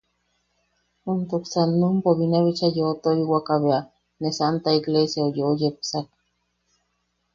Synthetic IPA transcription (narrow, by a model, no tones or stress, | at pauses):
ont̪oksanːumpoβinaβit͡ʃajot̪oiwakaβea | nesant̪aiklesjaojojepsak